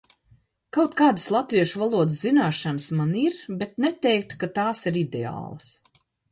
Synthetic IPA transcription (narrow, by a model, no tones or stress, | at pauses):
kawt̪̚kaːd̪aslˠat̪viɛʃuvalˠuɔd̪ɨszinaːʃansmaniɾbet̪nɛt̪ɛjk̚t̪u̥kat̪aːsiɾid̪ea̰ːlˠas